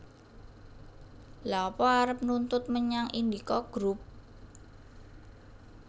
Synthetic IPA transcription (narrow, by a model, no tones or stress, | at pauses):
laɔpɔaɾəp̚nunt̪ʊt̪̚məɲaŋʔind̪ikɔɡ̥ɾup̚